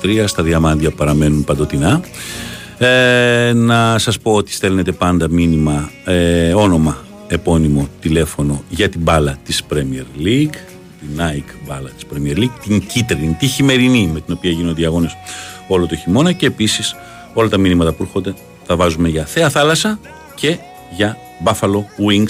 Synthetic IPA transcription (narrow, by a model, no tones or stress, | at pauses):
t̪ɾiɐst̪ɐðiɐmɐnd̪ʝɐpɐɾɐme̞nunpɐnd̪o̞t̪inɐ | enɐsɐspo̞ot̪i̥st̪e̞lne̞t̪e̞pɐnd̪ɐminimɐ | o̞no̞mɐ | e̞po̞nimo̞t̪ile̞fo̞no̞ʝɐt̪ibɐlɐt̪ispɾemieɾliɡ | t̪inɐjkbɐlɐt̪i̥spɾemieɾliɡt̪iɲɟit̪ɾinit̪içime̞ɾinime̞t̪ino̞piɐʝinond̪iɐɣo̞ne̞solot̪oeçimo̞nɐce̞ːpisis | o̞lɐt̪ɐminimɐt̪ɐpuɾuxo̞nd̪e̞ | θɐvɐzume̞ʝɐθe̞ɐθɐlɐsɐ | ce̞ | ʝɐ | bɐfɐlo̞wiŋɡ